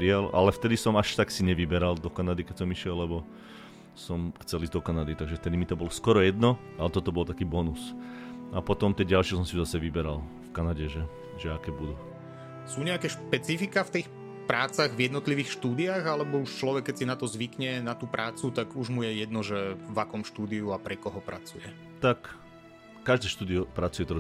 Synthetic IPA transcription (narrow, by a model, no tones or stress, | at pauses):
ɾiala̰lɛft̪ɛd̪isɔmaʃt̪aksiɲɛʋibɛɾald̪ɔkanad̪ikɛcsɔmiʃɪɛlːɛbɔ | sɔmxt͡sɛliːzd̪ɔkanad̪it̪aɡʒɛft̪ɛd̪imit̪ɔbɔlɔskɔɾɔjɛd̪nɔ | alɛt̪ɔt̪ɔbɔlt̪akiːbɔnus | apɔt̪ɔmt̪ɛːɟalʃɪɛsɔmsizasɛʋibɛɾal | fkanaɟɛʒɛ | ʒɛakɛːbud̪u | suːɲɛakɛːʃpɛt͡sifikaft̪iːx | pɾʔaːt͡saɣvjɛd̪nɔt̪liʋiːxʃt̪uːd̪iaɣalɛbɔuʃt͡ʃlɔʋɛkːɛcsinat̪ɔzʋikɲɛnat̪uːpɾʔaːt͡sut̪aɡuʒmujɛjɛd̪nɔʒɛʋakɔmʃt̪uːd̪iuapɾɛkɔɦɔpɾa̰t͡sujɛ | t̪akː | aʒd̪ɛːʃt̪uːd̪iɔpɾat͡sujɛt̪ɾɔ